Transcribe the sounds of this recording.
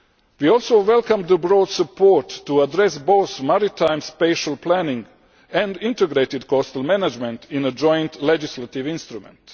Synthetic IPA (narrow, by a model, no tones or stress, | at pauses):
ʋiɔlˠsoʊʋɛlˠkãmd̪əbɾɔːd̪səpʰoɹtːuadɾɛsboʊθmaɾit̪ãjmspeʃalplænɪ̃ŋɡ | ɛ̃nd̪ĩntɛɡɾeːt̪ɪdkɔst̪əlˠmænad͡ʒmɛ̃nt̪ĩnəd͡ʒɔ̃jnt̪lɛd͡ʒislat̪iʋĩnst̪ɾumɛ̰̃nt